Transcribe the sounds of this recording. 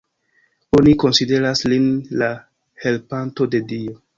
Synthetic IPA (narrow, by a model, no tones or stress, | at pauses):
o̞niko̞nside̞ɾaslinla | he̞lpanto̞de̞dio̞